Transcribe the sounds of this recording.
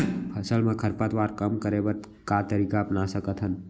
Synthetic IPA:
pʰəsəlmẽkʰəɾpət̪waːɾkəmkəɾebət̪ | kat̪əɾiːkaɐpnasəkət̪ɦən

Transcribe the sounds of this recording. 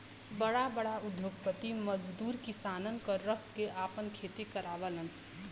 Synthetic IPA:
bəɽabəɽaʊd̪ʱjoːɡ̚pət̪iməd͡ʒd̪uːɾkɪsaːnənkəɾːəɦkeʔaːpənkʰeːt̪ikəɾaːʋələn

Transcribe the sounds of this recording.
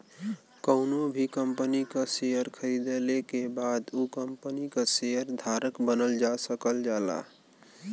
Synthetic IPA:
kəʊnobʱikəmpənikasejəɾkʰəɾid̪elekebad̪ukəmpənikasejəɾd̪ʱaɾəkbənəld͡ʒasəkəld͡ʒala̰

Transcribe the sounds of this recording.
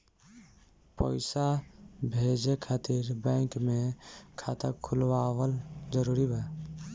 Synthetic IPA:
pə̰ɪsabʱed͡ʒekʰaːt̪iɾbɛɪŋkmẽkʰat̪ə̰kʰulwawəld͡ʒəɾuɾibʱa

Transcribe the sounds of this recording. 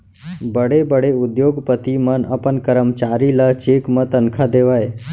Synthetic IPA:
bəɽebəɽeʊd̪joɡpət̪imənəpənkəɾəmt͡ʃaɾilat͡ʃekmə̃t̪ənkʰad̪eʋaj

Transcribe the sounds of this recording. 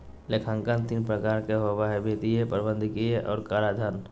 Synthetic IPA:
lekʰãŋkant̪iːnpɾəkaːɾkeɦobaɦebʱet̪iepəɾbə̃nd̪ʱkieʔɔ̰ːɾkaɾad̪ʱan

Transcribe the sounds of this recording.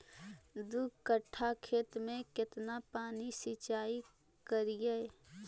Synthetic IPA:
d̪ukəʈʰːakʰeːt̪mẽkɪt̪napaːnisit͡ʃaːi | kəɾijeː

